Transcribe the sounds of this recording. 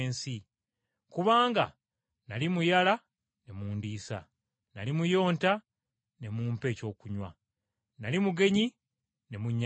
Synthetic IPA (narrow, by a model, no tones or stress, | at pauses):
nsi | kuβaːŋɡa̰ | nalimujala | ne̞muːndisa̰ | nalimujo̞ːnta | ne̞muːmpe̞ːco̞ːkuɲwa̰ | nalimuɡe̞ɲi | ne̞muɲː